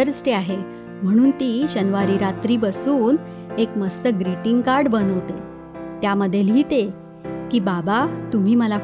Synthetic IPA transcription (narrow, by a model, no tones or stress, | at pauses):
əɾsʈ̪eaɦe | m̤əɽ̃uːnt̪iːɕənʋaɾiːɾat̪ɾiːbəsuːn | ekməst̪əɡɾeʈiŋɡkaɾɖbənəʋt̪e | t̪jaməd̪ʱːjelɦiːt̪e | kiːbabat̪um̤iːməla